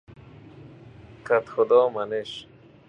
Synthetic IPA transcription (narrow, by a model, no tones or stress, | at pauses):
kat̪xʊd̪ɔːmaneʃ